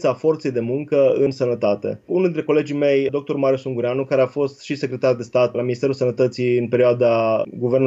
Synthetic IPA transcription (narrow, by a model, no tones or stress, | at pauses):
t̪səafo̞rt̪se̞jd̪e̞muŋkəɨnsənət̪at̪e̞̰unuld̪int̪ɾeko̞le̞d͡ʒijme̞jd̪o̞k̚t̪o̞ɾmaɾiusuŋɡuɾeanukaɾeafo̞st̪ʃise̞kɾe̞t̪ard̪e̞st̪at̪laminist̪eulsənət̪ət̪siɨnpe̞ɾioad̪aɡuvern